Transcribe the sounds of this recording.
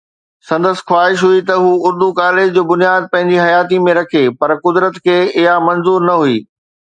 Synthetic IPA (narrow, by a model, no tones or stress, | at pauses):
sɐ̃nd̪əs̆xwaːɦɪʃɦuit̪ɐɦuːʊɾd̪ukaːlɪd͡ʑd͡ʑoːbʊnijaːd̪̚pɐ̃ɦɪ̃ɲ̆d͡ʑiɦɐjaːt̪̬imẽɾɐkʰepɐɾkʊd̪ɾət̪kʰeːɪɦamɐnzuːɾnɐɦuiː